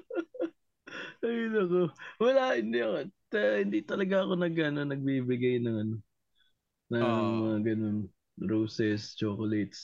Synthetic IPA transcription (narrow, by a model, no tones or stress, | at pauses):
ɐjʊnɐkowɐlahɪnd̪iɐkot̪ɐhɪnd̪it̪ɐlɐɡaɐko̞nɐɡɐnonɐɡ̚bibɪɡɐjnɐŋɐno̞ | nɐŋmɐŋaɡɐno̞n | ɾowsɛst͡ʃoːkolejt̪s